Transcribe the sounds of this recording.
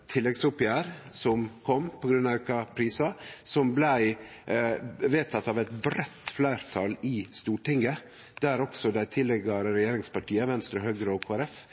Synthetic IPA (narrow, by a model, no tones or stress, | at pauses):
t̪ʰɪlːɛɡsʊpɪjæːɾsɔmkʰɔmpʰɔɡɾʉnːɑkɑpʰɾiːsɑsɔmblæɪ | ʋeːt̪ʰɑt̪ːɑːʋɛt̪bɾɛt̪flæɪɾt̪ʰɑlɪst̪uːʈɪŋɡə | d̪̥æɾɔksɔd̪æɪt̪ʰɪlːɛɡɑɾɾɛjeːɾɪŋspɑʈiːəʋɛnst̪ɾɔhøːɡɾəɔkʰoːæɾɛf